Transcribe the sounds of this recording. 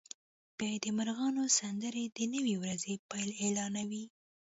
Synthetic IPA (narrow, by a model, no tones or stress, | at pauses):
b̥jɑjad̪əmaɾɣɑnosand̪əɾed̪ənəwiwɾazepɑjlelɑnawi